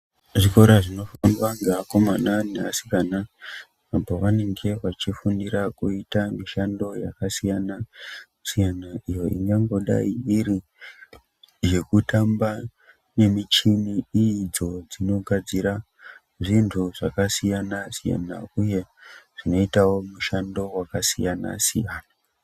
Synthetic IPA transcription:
ʐiko̞ɾaʐino̞fniʋaŋɡeako̞mananeasi̥kana | apoʋane̞ŋɡe̞ʋat͡ʃifuniɾakuitamiʃando̞ja̰kasijana | sijanaʔijo̞ḭŋɡaŋɡo̞ɗa̰iiɾi | je̞kutamba | ne̞mit͡ʃiniid͡zo̞d͡zino̞ɡʱad͡ziɾa | ʐintʰuʐakasijanasija̰na̰uje̞ʐ̥ino̞itawo̞muʃando̞wakasijana̰sḭjaːna

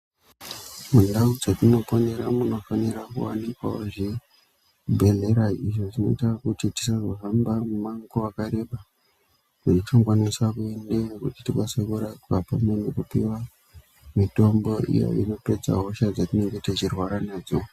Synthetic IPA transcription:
mundaud͡zatino̞faneɾamuno̞faniɾakṵwanikwa̰oʐi | bʱe̞ɮe̞ɾaiʐoʐino̞itakutiti̥saʐoɦambamumaŋkoakaɾe̞ɓa | uit͡ʃakwanisakuendenekutitikasekuɾakwapamenekupiwa | mito̞mbo̞ḭjo̰ḭno̞pe̞d͡za̰ɦo̞ʃad͡zatineŋɡetat͡ʃirwaɾanaːd͡zo

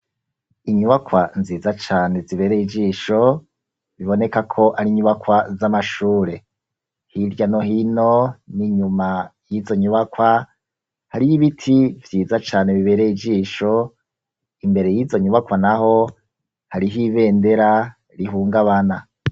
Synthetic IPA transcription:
iɲuβakwanziːzat͡ʃaːneziβe̞ːɾeid͡ʒiːʃo̞ | βiβo̞ne̞kakʰo̞ʔaɾiɲuβakwazamaʃuːɾe̞ | hiɾɟano̞ɦino̞niɲumajizo̞ɲuβakwa | haɾijiβitʰivjiːzat͡ʃaːne̞βiβe̞ːɾeid͡ʒiːʃo̞ | imbe̞ɾe̞jiːzo̞ɲuβakwanaɦo̞ | haɾiɦiβe̞ːnde̞ɾa | ɾiɦuːŋɡaβana

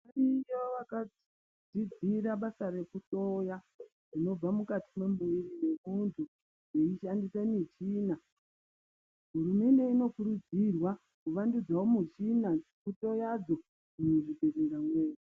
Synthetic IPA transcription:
anijoʋaka | d͡zid͡ziɾaɓasare̞kuto̞ja | rino̞b͡vamukatime̞muʋirine̞muntʰu | jeiʃandisanit͡ʃiːna | ɦuɾume̞nde̞ino̞kuɾud͡zirwa | kuʋandud͡zawomut͡ʃinakuto̞jad͡zo̞ | inoʐibʱereɾamwe̞ːri

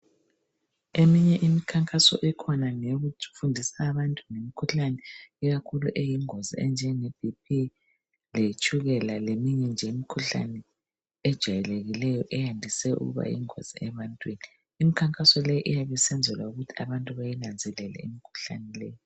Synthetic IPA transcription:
emiɲɛʔimikʰaŋkʼasɔ̰ʔɛkʰɔnaŋeɣufundʱisaːβantʼunemikʰuɬanɛɛɣakʰuluʔejiŋozḭɛnd͡ʒʱɛŋeb̥ʱipʰi | let͡ʃʼʰuɣɛlalemiɲɛnd͡ʒʱɛmikʰuɬa̰nɛ | ɛd̥ʒ̥ʱajɛleɣilɛjɔʔɛjandʱisɛṵɣṵβa̰jḭŋo̰z̥iɛβantʼwiːniː | mikʰaŋkʼasɔlɛjiʔijaβɛsɛnd͡zʱɛlwauɣutʰi̥a̰βantʼuβajinand͡zʱɛlɛlɛ̰ḭmikʰu̥ɬa̰nɛlɛjɔ

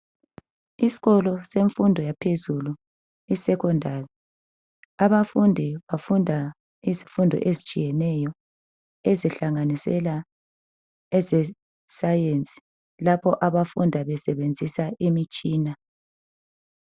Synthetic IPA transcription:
isi̥ɣɔlɔseɱfundʱɔjapʰezulu | isɛkɔndʱaːri | aβafundʱiβafundʱa | izifundʱɔ̰ʔezit͡ʃʼijɛnɛjɔ | ezɛɬaŋanisɛ̰la | ɛzɛ | sajent͡sʼi̥ | lapʰɔʔaβafundʱaβɛsɛβend͡zʱisaʔimit͡ʃʼiːna

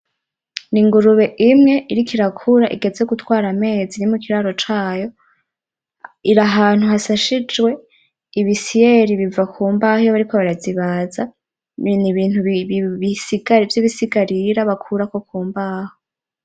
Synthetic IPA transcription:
niŋɡuɾuβe̞ʔimŋe̞ʔiɾikiɾakʰuɾaʔiɡe̞zejoɡutwaːɾame̞ːzinimukiɾaːɾo̞t͡ʃaːjo̞ | iɾaɦaːn̥uhasaʃid͡ʒwe̞ | iβisijeɾiβivakʰuːmbahijoβaɾiko̞βaɾaziβaza | niβiːn̥huββisiɡaɾvjiβisiɡaɾiɾaβakʰuɾako̞kuːmbaho

